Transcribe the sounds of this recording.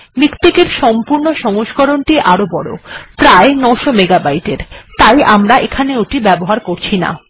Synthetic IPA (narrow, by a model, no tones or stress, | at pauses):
mikt̪ekeɾʃɔmpuɾnoʃɔŋoʃkoɾonʈiʔaɾobɔɽo̰pɾaenɔwʃomeɡabajʈeɾt̪ajʔamɾaʔekʰaneoʈibɛboɦaɾkoɾt͡ɕʰina̰